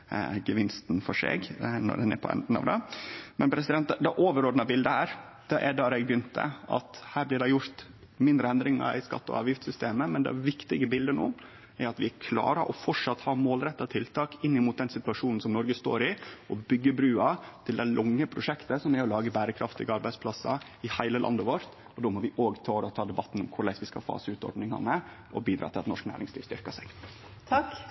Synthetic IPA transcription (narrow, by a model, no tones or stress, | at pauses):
ɡəʋɪnst̪nfɔʂḛːɡnɔ̰ɖɛnɛ̰ɾpʰɔ̰ɛ̰nd̪n̩ɑ̰ʋd̪ɛmɛnpʰɾɛsɪd̪ɛnt̪d̪ɛʔoːʋəɾoːd̪nɑbɪld̪əhæːɾ | d̪̥ɛʔɛɖɑːɾɛɡbjʏnt̪ə̰ɑ̰t̪hæːɾblɪːɖɛjʊɾt̪ | mɪnd̪ɾəɛnd̪ɾɪŋɑ̰ɾʔɪskɑ̰t̪ːɔ̰ɑ̰ʋjɪft̪sʏst̪eːməmɛnd̪ɛ̰ʋɪkt̪ɪɡəbɪld̪ənu | æɾɑt̪ʋɪkʰlɑ̰ːɾɑʔɔfɔʈʂɑt̪ːhɑːmoːlɾɛt̪ːɑt̪ʰɪlt̪ʰɑːkɪnːɪmuːt̪̚d̪ɛnsɪt̪ʉɑʂuːnn̩sɔmnɔɾɡəst̪o̰ːɾɪʔɔbʏɡːəbɾʉːɑt̪ʰɪld̪æɪlʔʊŋːəpʰɾʊʂɛkt̪əsɔmæɾɔlɑːɡəbæːɾəkʰɾɑft̪ɪ̰ɡəɑɾbæɪspʰlɑsɑ̰ | ɪhæɪləlʔɑ̰nd̪əʋɔɾt̪ | ɔd̪oːmɔʋɪʔoːɡt̪ʰɑːɾɔt̪ʰɑːd̪ɛbɑt̪ːn̩ɔmkʰʊɾɭæɪsʋɪskɑ̰fɑ̰ːsəʉːt̪ɔ̰ɾɖ̪nɪŋɑ̰nə | ʔɔbiːd̪ɾɑ̰t̪ɪlɑt̪nɔʂknæ̰ːɾɪŋsliːʋst̪ʏɾkɑsæɪɡ | t̪ʰɑk